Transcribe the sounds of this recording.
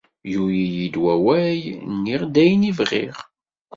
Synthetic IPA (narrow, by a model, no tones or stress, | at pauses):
jujijid̪wæwæjnːiʁd̪æjnivʁḭʁ